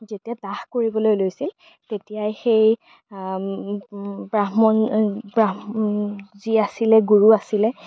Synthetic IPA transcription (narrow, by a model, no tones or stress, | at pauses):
zetijadaxkoɹibɔlojlojsil | tetijajxej | bɹamɔnbɹa | ziasilɛɡuɹuasilɛ